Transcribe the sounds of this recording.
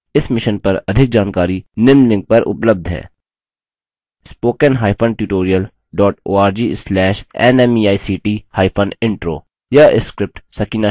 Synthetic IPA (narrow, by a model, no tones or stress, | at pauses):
ɪsmɪʃənpɐɾɐd̪ʱɪk̚d͡ʒaːnkaːɾinɪmlɪ̃ŋɡ̚pɐɾʔʊ̰pləb̚d̪ʱɦɛ̰ː | spoːkənɦaːɪpʰənʈjuːʈoːɾijəl | ɖɔːʈo̰ːaːɾd͡ʒiːslɛːʃɛ̰nɛːmiːaːisiːʈiːhaːɪpʰənɪ̃ɳʈɾoː | jaʔɪskɾɪp̚ʈsɐkiːna